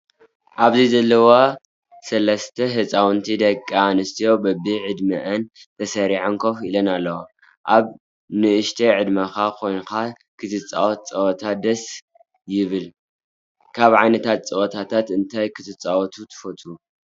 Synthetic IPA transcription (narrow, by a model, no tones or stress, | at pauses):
ʔaβzizɐlːɐwa | sɐlɐst̪ʰɐɦɨt͡sʼawɨnt̪ʰid̪ɐkʼːanɨst̪ʰijo̞bɐbiʕɨd̪mɐʔɐnt̪ʰɐsɐɾiʕaŋkʰofilɐnalːɐwo | ʔaβ | nɨʔɨʃt̪ʰeʕɨd̪mɐkakʰo̞jnka | kʰɨt̪ʰɨt͡sʼːa̰wɔt̪̚t͡sʼɐwɐt̪ʰad̪ɐs | jɪβɨl | kʰaβʕajnɐt̪ʰat̪̚t͡sʼɐwot̪ʰat̪ʰat̪ɨnt̪ʰajkʰɨt̪ʰɨt͡sʼawɔt̪ʰut̪ʰɨ̥fot̪ʰu